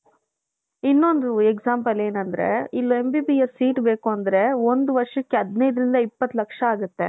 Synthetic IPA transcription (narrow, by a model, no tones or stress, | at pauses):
inːond̪ueɡsaːmpɐle̞ːnɐnd̪ɐɾe̞̰ilːoembiːbijesːiːʈbeːkuɐnd̪ɐɾe̞ond̪uʋɐɾʂɐkːeɐd̪nɐjd̪ɾind̪ɐipːɐt̪ːulɐkʂɐaːɡut̪ːe̞̰